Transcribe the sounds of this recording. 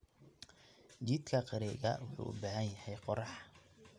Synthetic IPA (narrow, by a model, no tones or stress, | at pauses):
t͡ʃid̪kʰɐqɑɾɛːɣɐ̰wʊħṵːʔʊ̰baːhɐnjɐhɛjqɔrɑħ